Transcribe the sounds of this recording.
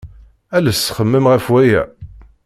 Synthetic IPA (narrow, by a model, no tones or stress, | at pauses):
ælæsːχəmːəmʁəfwæjæ̰